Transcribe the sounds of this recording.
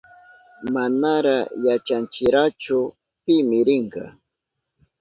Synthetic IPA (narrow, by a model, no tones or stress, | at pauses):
manaɾajat͡ʃant͡ʃɪɾat͡ʃʊ | pɪmɪɾɪɴɢɑ̰